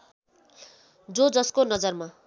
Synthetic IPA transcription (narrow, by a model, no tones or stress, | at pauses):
d͡zod͡zʌskonʌd͡zʌrma